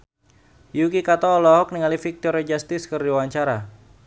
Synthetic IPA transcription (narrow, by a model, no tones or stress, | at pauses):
jukikat̪ɔːlɔɦɔk̚niŋalifik̚t̪ɔɾɛd͡ʒast̪ɪskərdiwaɲt͡ʃaɾa